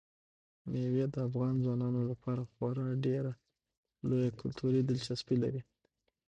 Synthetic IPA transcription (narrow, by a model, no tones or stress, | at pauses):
mewed̪əafɣɑnzwɑnɑnolapʰɑɾaxwɑɾənaɖeɾa | lojakʊlt̪ʰuɾid̪ɪlt͡ʃaspilaɾi